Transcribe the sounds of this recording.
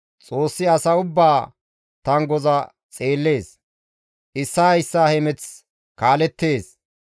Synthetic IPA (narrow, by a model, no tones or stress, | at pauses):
t͡sʼo̞ːsːɪɐsɐʊbːaː | t̪ɐŋɡɔzɐ | t͡sʼe̞ːlːe̞ːs | ʔɪsːajsːaːhɛmɛt͡s | kaːlɛt̪ːeːs